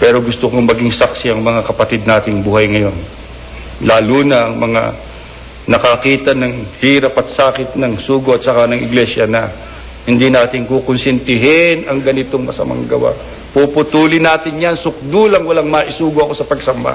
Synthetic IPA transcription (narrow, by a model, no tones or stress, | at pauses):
pɛɾo̞ɡʊst̪ʊkoŋmɐɡiŋsaksiɐŋmɐŋakɐpɐt̪id̪̚naːt̪ɪŋbuːhɐjŋɐjo̞n | laːluːnɐʔɐŋmɐŋa̰ | nɐkɐkiːt̪ɐnɐŋhiːɾɐpɐt̪saːkɪt̪̚nɐŋsuːɡoɐt̪̚sɐkanɐŋʔɪ̰ɡlɛsjɐnɐ | hɪnd̪inaːt̪ɪŋkokʊnsɛnt̪ɪɦɪnɐŋɡɐnɪt̪oŋmɐ̰sɐ̰ma̰ŋɡɐwa̰ | pupʊt̪uːlɪnaːt̪ɪnjansʊk̚d̪ulɐŋwɐlaŋmɐʔɪsuːɡoɐko̞sɐpɐɡsɐmba̰